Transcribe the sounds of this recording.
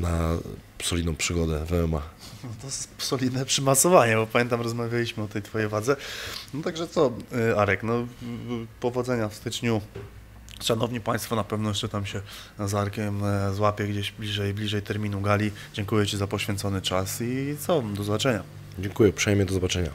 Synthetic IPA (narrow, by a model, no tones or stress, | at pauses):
na̰psɔlʲid̪nɔ̃w̃pʂɘɡɔd̪ɛvɛɛma̰nɔt̪ɔpsɔlʲid̪nɛpʂɘmasɔvaɲɛbɔpamʲjɛnt̪amɾɔzmavʲjalʲiɕmɘɔt̪ɛjt̪fɔjejvwad̪zɛnɔt̪aɡʐɛt̪sɔaɾɛknɔ | pɔvɔd̪zɛɲafst̪ɘt͡ʂɲu | ʂanɔvɲipaj̃st̪fɔnapɛvnɔjɛʂt͡ʂɛt̪amɕɛ | zaɾkʲɛmzwapʲjɛɡd͡ʑeɕblʲiʐɛjblʲiʐɛjt̪ɛɾmʲinuɡalʲi | d͡ʑɛŋkujɛt͡ɕizapɔɕfʲɛ̃nt̪sɔnɘt͡ʂasit̪sɔd̪ɔzɔbat͡ʂɛɲa | d͡ʑɛŋkujɛpʂɛjmʲɛd̪ɔzɔbat͡ʂɛɲa̰